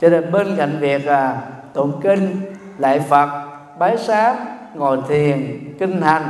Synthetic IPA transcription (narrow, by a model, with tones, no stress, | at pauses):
t͡ɕɔ˧˦ne˨˩nɓe˧nka˧˩jŋ̟vi˨˩ək̚laː˨˩t̪o˧˩ŋ͡mkï˧ŋ̟ | lə̰ː˧˨jfə˨˩t̚ | ɓaː˨˦jsaː˨˦˥m̚ŋɔ̰˧˨jt̪ʰi˨˩ənki˧ŋ̟ha˨˩jŋ̟